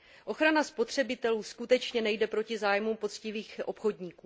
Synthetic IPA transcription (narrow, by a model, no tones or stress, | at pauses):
ʔo̞xɾanaspo̞t̪r̝̥ɛbɪt̪ɛluːskut̪ɛt͡ʃɲɛnɛjdɛpɾo̞cɪzaːjmumpo̞t͡scɪviːxʔo̞pxo̞dɲiːkuː